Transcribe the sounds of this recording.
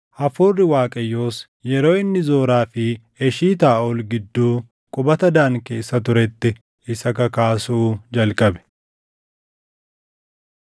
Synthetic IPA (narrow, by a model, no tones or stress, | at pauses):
ʔɐfuːrːɪwaːkʼɐjːo̞ːs | jɛɾo̞ːɪnːɪzo̞ːɾaːfɪ | ɛʃiːt̪aːʔɔlɡɪd̪ːuː | kʼʊbɐt̪ɐd̪aːŋke̞ːsːɐt̪ʊɾɛt̪ːɪ | ɪsɐkɐkaːsuːd͡ʒɐlkʼɐbɛ̥